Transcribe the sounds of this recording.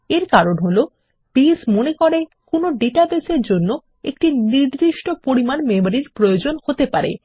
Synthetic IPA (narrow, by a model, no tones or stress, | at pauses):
eɾkaɾonɦolo | pismonekoɾe | konoɖeʈabeseɾd͡ʑonːo | ḛk̚ʈiniɾd̪iʃʈopoɾimanmemaɾiɾpɾojod͡ʑonhot̪epaɾḛ